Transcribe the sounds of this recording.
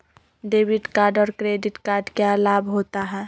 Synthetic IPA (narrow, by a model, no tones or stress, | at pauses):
ɖeːbɪɖkaːɾɖɔːɾkɾeːɖɪʈkaːɾɖkealaːbɦoːt̪aɦɛː